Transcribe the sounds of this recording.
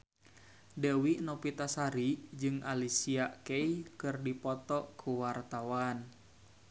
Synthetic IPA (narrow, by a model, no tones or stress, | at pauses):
dewinɔpit̪asaɾid͡ʒɨŋalisiaʔkeikɨrdipɔt̪ɔʔkʰuwart̪awan